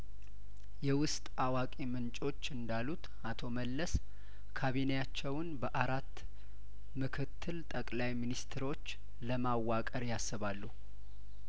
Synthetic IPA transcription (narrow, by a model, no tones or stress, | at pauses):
jɛwʊst̪ʼawakʼimɨnt͡ʃʼo̞t͡ʃːɨnd̪alut̪ | at̪ʰo̞məlːəs | kʰaβinejat͡ʃːɛwnbəʔaɾat̪ː | mɨkʰɨt̪ʰːɨlt̪ʼəkʼlajminist̪ʰɾo̞t͡ʃː | ləmawːakʼəɾjasːɨβalːu